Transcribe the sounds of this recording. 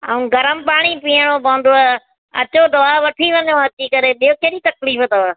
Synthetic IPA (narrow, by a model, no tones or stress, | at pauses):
a̰ːũːɡʱɐɾəmpaːɽ̃ipiːəɽ̃opɐ̃ːn̆d̪oa | ɐ̰t͡ɕod̪ɐʋaʋɐʈʰiʋɐ̃ɲõɦɐt̪ikɐɾeɓijokeːɗit̪ɐkliːfət̪ɐʋ